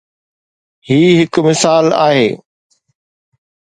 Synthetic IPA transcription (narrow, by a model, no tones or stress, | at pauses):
hiːɦɪkmɪsaːla̰ːɦḛː